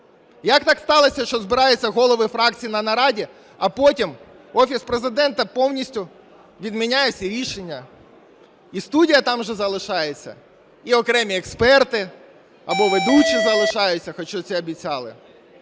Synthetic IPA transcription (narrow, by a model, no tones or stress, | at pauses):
jɐkt̪ɑkst̪ɑlˠɔsʲɐʃt͡ʃɔzbɪɾɑjet͡sʲːɐɣɔlˠɔʋɪfɾɑkt͡sʲijinɐnɐɾɑdʲi | ɐpɔtʲim | ɔfʲispɾezɪd̪ɛnt̪ɐpɔwnʲisʲtʲʊ | ʋʲid̪mʲinʲajesʲiɾʲiʃenʲːɐ | ist̪udʲijɐt̪ɑmʒɛzɐlˠɪʃɑjet͡sʲːɐ̰ | iɔkɾɛmʲiɛkspɛrt̪ɪ | ɐbɔʋed̪ut͡ʃʲːizɐlˠɪʃɑjʊt͡sʲːɐxɔt͡ʃɔt͡sʲɛɐbʲit͡sʲɑlˠɪ̰